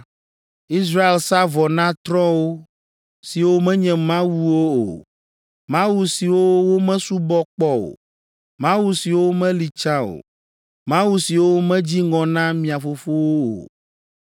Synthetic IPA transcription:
i˦s̬ɾa˦e˨lsa˦vɔ˨nã˦t̪ɾɔ̃˦wo˦ | si˨wo˦mɛ̃˦ɲɛ̃˨mã˦wu˦wo˦o̰˨ | mã˦wu˦si˨wo˦wo˦mɛ̃˦su˦bɔ˦k͡pɔ˦o̰˨ | mã˦wu˦si˨wo˦mɛ̃˦li˨t͡ʃã˦o̰˨ | mã˦wu˦si˨wo˦wmɛ̃˦d͡ʑi˦ŋɔ̃˨nã˦mĩ˨a˨fo˦fo˦wo˦o̰˨

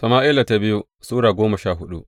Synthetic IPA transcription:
sɐ˨maː˦ʔi˦la˨ta˦bɪ˦ju˦ | suː˦ɽaː˨ɡoː˦mɐ˨ʃaː˦˨ɦʊ˦ɗṵ˦

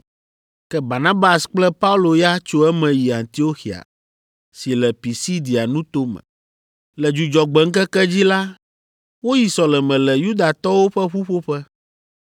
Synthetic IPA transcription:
kɛ˦ba˨nã˦ba˨sk͡plɛ˦pa˦u˦lo˨ja˦t͡ʃo˦ɛ˦mɛ̃˨ji˨a˨nt̪i˦o˦xi˨a̰˨ | si˨lɛ˨pi˨si˦d̪i˨a˨nũ˦t̪o˦mɛ̰̃˨ | lɛ˨d͡ʒu˨d͡ʒɔ˨ɡ͡bɛ˨ŋ̩˦kɛ˦kɛ˦d͡ʑi˦la˦ | wo˦ji˨sɔ˨lɛ˨mɛ̃˨lɛ˨ju˦d̪a˨t̪ɔ˦wo˦ɸɛ˦ɸu˦ɸo˦ɸɛ˦

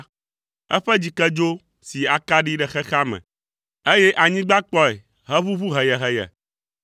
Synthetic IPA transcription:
ɛ̰˦ɸɛ˦d͡ʑi˨kɛ˦d͡ʒo˦ | si˨a˨ka˦ɖi˦ɖɛ˨xɛ˦xa˦mɛ̰̃˨ | e˦jɛ˦ʔa˨ɲĩ˦ɡ͡ba˦k͡pɔ˦ɛ˨ | ɦɛ˦βu˦βu˦ɦɛ˨jɛ˨ɦɛ˨jɛ̰˨

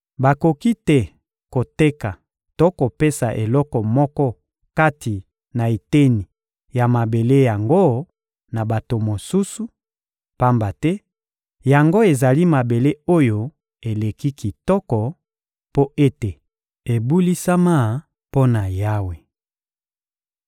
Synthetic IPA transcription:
ba˨ko˨ki˦tɛ˦ | ko˨te˦ka˨ | to˦ko˨pe˦sa˨ʔe˨lɔ˦kɔ˨mɔ˦kɔ˦ | ka˦ti˨ | na˨e˨te˦ni˨ | ja˨ma˨be˨le˦ja˨ŋɡo˦ | na˨ba˨to˨mo˨su˦su˨ | pa˦mba˨tɛ˦ | ja˨ŋɡo˦e˨za˨li˦ma˨be˨le˦o˦jo˦ | e˨le˨ki˦ki˨tɔ˦kɔ˨ | po˦e˦te˨ | e˨bu˦li˦sa˦ma˦ | po˦na˨ja˦we˨

